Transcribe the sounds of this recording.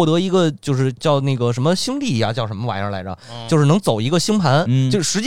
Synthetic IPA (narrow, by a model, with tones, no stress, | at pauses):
t̪ɤ˧˥i˧˥ɡə˧t͡ɕjo˥˧ʊʂɻ̩˥˧t͡ɕjɑ˥˧ʊne˥˩ɡə˩ʂə˧˥nmə˧ɕi˥ŋt̪i˥˩ja˩t͡ɕjɑ˥˩ʊʂə˧˥nmə˧wa̰˨˩nə̰˧˥la˧˥ə̰˧˦t͡ɕjʊʂɻ̩˥˩nɤ˧˥ŋt͡so˨˩ʊi˧˥ɡə˥˧ɕi˥ŋpʰa˧˥nt͡ɕo˥˧˩ʂɻ̩˧˥t͡ɕi˥